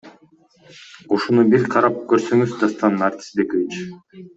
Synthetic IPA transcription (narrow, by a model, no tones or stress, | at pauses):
uʃunubiɾqʰɑɾɑp̚køɾsøŋyzd̪ast̪ɑnːart̪ʲi̥sbe̞kovit͡ʃ